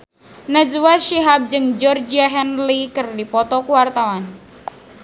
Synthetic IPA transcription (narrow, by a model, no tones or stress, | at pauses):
nad͡ʒuwaʃiɦap̚d͡ʒɨŋd͡ʒɔrd͡ʒiaɦɛnlikɨrdipɔt̪ɔkuwart̪awan